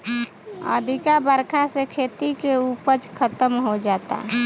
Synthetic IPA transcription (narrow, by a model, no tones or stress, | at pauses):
ə̰d̪ʱɪkabəɾkʰasekʰeːt̪ikeupət͡ʃkʰət̪əmɦod͡ʒaːt̪a̰